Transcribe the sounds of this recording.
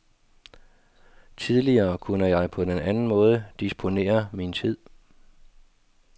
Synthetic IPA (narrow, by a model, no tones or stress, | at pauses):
t͡sʰið̞ˠliɐːkʰunəjɑ̈ɪpʰɒ̽d̥enænn̩mɔ̽ːð̞ˠəd̥isb̥ʰo̝ne̝̰ːɐmint͡sʰið̞̰ˠ